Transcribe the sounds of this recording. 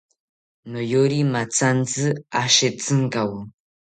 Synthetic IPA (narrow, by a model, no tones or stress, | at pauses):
nojoɾimat͡sand͡zɨaʃet͡sɨŋɡawu